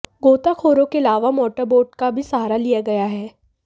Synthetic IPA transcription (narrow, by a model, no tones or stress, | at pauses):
ɡoːt̪akʰoːɾõkeɐlaːʋamɔːʈəɾboːʈɖkabʱisaɦaːɾalijaɡɐjaɦɛː